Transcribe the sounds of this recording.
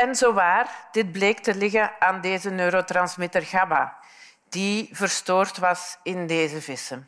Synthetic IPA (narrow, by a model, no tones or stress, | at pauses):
ɛnzoːʋaːrd̥ɪd̚bleːktəlɪɣəaːndeːzənøːɾotrɑnsmɪtərɣaːba̰ | d̥ivərstoːrtʋɑsɪndeːzəvɪsən